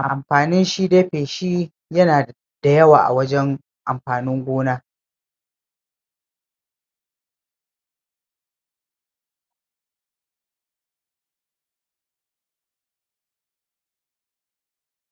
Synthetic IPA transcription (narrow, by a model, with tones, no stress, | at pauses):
ʔa̰˨ʔa˨mɸaː˨nɪ˦nʃi˦deː˦ɸeː˨ʃi˦ | jɐ˦naː˨ | d̥a˨jɐ˦wa̰ː˨ʔa̰˨wɐ˦d͡ʒɛ˦ŋ | ʔa˨mɸaː˨nɪ˦ŋɡʷoː˦naː˦